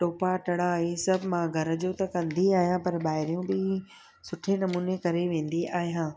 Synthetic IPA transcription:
ʈoːpaʈɐɽaːɦesɐbʱmãɡʱɐɾəd͡ʑoːt̪ɐkɐ̃nd̪iaːɦijãpɐɾɓaːɦɪɾijũbɪ | sʊʈʰenɐmuːnekɐɾeʋẽːn̆d̪iʔaːɦijãː

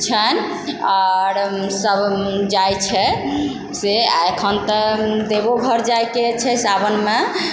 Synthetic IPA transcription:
t͡ʃʰən | aɾsəbd͡ʒajt͡ʃʰɛ | seaekʰənt̪ɔd̪eboɡʱəɾd͡ʒajket͡ʃʰɛsabənme

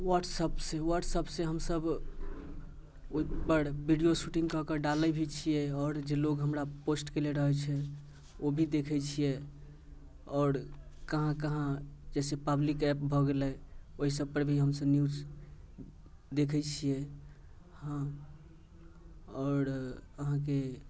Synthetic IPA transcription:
waʈsəpsewəʈsəbsẽɦəmsəb | oipəɾbʱiɖijosuʈĩŋkɔkəɖalɛbʱit͡ʃʰijɛɔːɾd͡ʒeloɡɦəmɾaposʈkeleɾəɦɛt͡ʃʰɛ | obʱid̪ekʰɛt͡ʃʰijɛ | ɔːɾkəɦãkəɦãd͡ʒɛsepəblikɛp̚bʱɔɡelɛoɦisəb̚pəɾbʱiɦəmsəbnjud͡ʒ | d̪ekʰɛt͡ʃʰijɛ | hã | ɔːɾəɦãk̬e

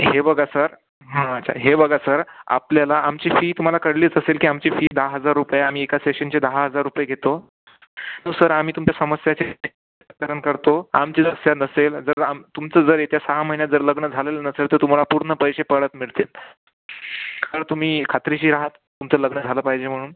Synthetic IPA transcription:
ɦebəɡasəɾ | ɦãt̪t͡ɕʰa̰ɦebəɡasəɾa̰pljalaamt͡ɕifiːt̪um̤alakəɽliːt͡səselkiːamt͡ɕifiːd̪əɦaɦəd͡zaɾːupəjeam̤iːekaseɕənt͡ɕed̪əɦaɦəd͡zaɾːupjeɡʱet̪o | nuːsəɾam̤iːt̪umt͡ɕjasəməsjat͡ɕet̪e | kəɾəɳkəɾt̪oa̰mt͡ɕiːd͡zəsjanəseld͡zəɾamt̪umt͡səd͡zəɾet̪jasaɦaməɦinjad͡zəɾləɡɳəd͡zʱalelənəselt̪əɾt̪um̤alapuɾɳəpəɾiɕepəɭət̪miɭt̪el | kaɾəɾt̪um̤iːkʰat̪ɾiɕiːɾaɦət̪ːumt͡sələɡɳəd͡zʱaləːpaɦid͡ʑem̤əɽuːn

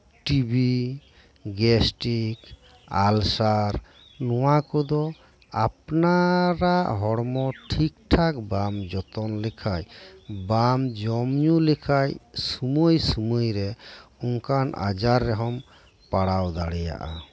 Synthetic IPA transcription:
ʈibi | ɡɛsʈik | alsaɾ | nɔwakɔd̪ɔ | apnaɾaʔɦɔɽmɔʈʰik̚ʈʰakbamd͡ʒɔt̪ɔnlɛkʰajbamd͡ʒɔmɲulɛkʰajsumojsumojɾɛuŋkanʔa̰d͡ʒaɾːɛɦɔm | paɽawd̪aɽɛja̰ʔa

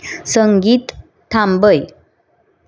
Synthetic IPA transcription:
səŋɡiːt̪ʰː | ambəj

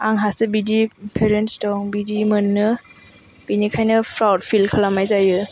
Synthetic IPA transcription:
aŋɦasɯbidipʰeɾentstɔŋbidimɯnːɯ | binikʰajnɯpʰɾawd̚pʰilkʰəlamajzajɯ

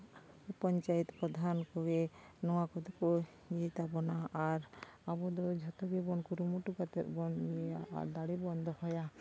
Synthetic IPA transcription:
pɔɲt͡ʃajit̪pɾɔd̪ʱankɔɡenɔwakɔd̪ɔko | ɲit̪abɔnaːɾabɔd̪ɔd͡ʒʱɔt̪ɔɡibɔnkuɾumuʈukat̪ɛɾbɔnea̰ɾd̪aɽibɔnd̪ʱɔhɔja

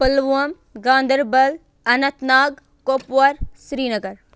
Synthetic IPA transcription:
pəlʋuɐm | ɡãːnd̪əɾbɐl | ɐnɐ̃t̪naːɡ | koːpʋɐɾsɾiːnɐɡəɾ

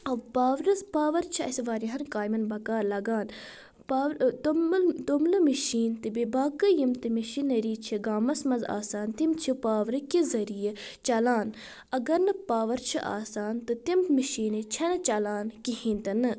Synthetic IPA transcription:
ɐʋpaːʋɾɐspaːʋɐɾt͡ʃʰiɐ̰sʋaːɾiɦɐnkaːjmɐnbɐkaːɾlɐɡaːn | paːɾt̪t̪umlɨmiʃiːnt̪ɨbibaːkɨjimt̪ɨmiʃiːnɐɾiːt͡ʃʰiɡaːmɐsmɐza̰ːsaːnt̪imt͡ʃʰipaːʋɾɨkizɐɾijɐt͡ʃɐlaːn | ɐɡɐɾnɨpaːʋɐɾt͡ʃʰiʔa̰ːsaːnt̪ɨt̪immiʃiːnɨt͡ʃʰɐnɨt͡ʃɐlaːnkiɦĩːnt̪ɐnɨ

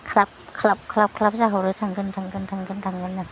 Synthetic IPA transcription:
kʰlap̚kʰlap̚kʰlap̚kʰlap̚zaɦaɾɯtʰaŋɡɯntʰaŋɡɯntʰaŋɡɯntʰaŋɡɯnːa

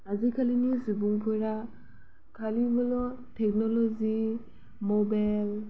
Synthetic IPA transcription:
azikʰalinizubuŋpʰɔɹa | kʰalibɔlɔtʰɛk̚nɔlɔzi | mobajl

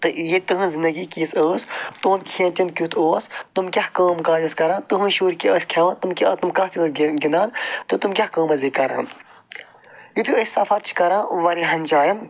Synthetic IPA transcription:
t̪ɨjit̪ɨɦɨ̃nzind̪ɐɡikiːsəːst̪oːnkʰẽnt͡ʃinkʲut̪ʰoːst̪umkʲɐhkɐːmkaːd͡ʒiskɐɾãːt̪uɦũʃuːɾkiɐːsʲkʰɐʋɐ̃t̪umkiɐt̪umkɐɦt͡ʃinsɡinãːnt̪ɨt̪umkʲɐhkəːmɐzbikɐɾã̰ːn | jit̪ʰuəsʲsɐfʰɐɾt͡ʃʰi̥kɐɾãːʋɐɾiɦɐnd͡ʒaːjɐm

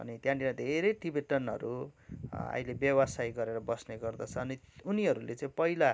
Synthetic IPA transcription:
ʌ̰nit̪jãɳʈiãd̪ʱeɾejʈibeʈʌnɦʌ̰ɾu | a̰jlebjʌwʌsajɡʌɾeɾʌbʌsneɡʌrd̪ʌt͡sʰʌːniuniɦʌɾulet͡saĩpʌila

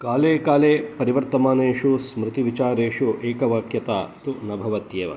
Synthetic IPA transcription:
kaːleːkaːleːpɐɾiʋɐɾt̪ɐmaːneːʂusmɾɪt̪iʋit͡ʃaːɾeːʂuʔeːkɐʋaːkjɐt̪aːt̪unɐbʱɐʋɐt̪jeːʋɐ̰

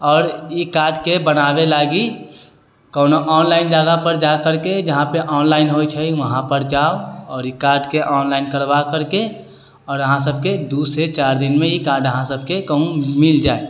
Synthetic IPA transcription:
ɔːɾikaːɾɖkebənabelaɡi | kəːnoʔɔːnlaɪnd͡ʒaɡapəɾd͡ʒakəɾked͡ʒəɦãpeʔɔːnlaːɪnɦojt͡ʃʰəiʋəɦãpəɾd͡ʒaoɔːɾikaːɾɖkeʔɔːnlaɪnkəɾbakəɾke | ɔːɾəɦãsəb̚ʱked̪uset͡ʃaːɾd̪inmẽikaːɾɖəɦãsəbʱkekəɦũmild͡ʒae

